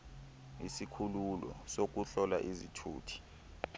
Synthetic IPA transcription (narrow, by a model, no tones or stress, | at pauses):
ḭsikʰululɔ̰sok̬uɬɔla̰ʔizḭtʰṵːtʰi̥